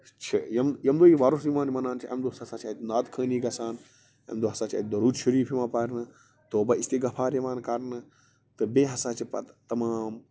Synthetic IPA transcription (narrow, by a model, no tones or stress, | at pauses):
t͡ʃʰɐjɐmjɐmd̪oːiʋaːɾusiʋãːnimɐnaːnt͡ʃʰiʔɐ̰md̪oɦɐsasaːt͡ʃʰaːt̪naːt̪kʰə̃ːniːɡɐsaːn | ɐ̰md̪oɦɐsaːt͡ʃʰa̰ːt̪̚d̪ɐɾuːd͡ʒʃɐɾiːpʰimãːpaːɾnɨ | t̪oːbɐist̪eːɡɐpʰaːɾjiʋaːnkɐɾnɨ | t̪ɨbeɦɐsaːt͡ʃʰipɐ̰t̪t̪ɐmaːm